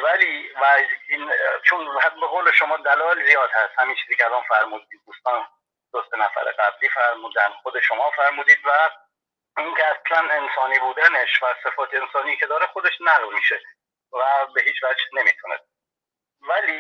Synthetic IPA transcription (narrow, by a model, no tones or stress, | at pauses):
væliːvæint͡ʃʰonhæt̪̚beɣowleʃo̞mɒːd̪ælɒːelzijɒːd̪hæst̪hæmiːnt͡ʃʰiːziːcʰeɛælɒːnfæɾmuːd̪iːd̪d̪uːst̪ɒːn | d̪̥osenæfæ̰ɾḛɡæbliːfæɾmuːd̪ænχod̪e̞ʃo̞mɒːfæɾmuːd̪iːd̪væ | iŋkeæslæne̞nsɒːniːbuːd̪æne̞ʃvæsefɒːt̪ʰeensɒːnijːcʰed̪ɒːɾexod̪e̞ʃnæʁlmiʃe | væbe̞ɦiːt͡ʃvæd͡ʒne̞mḭːt̪ʰunḛs | væliː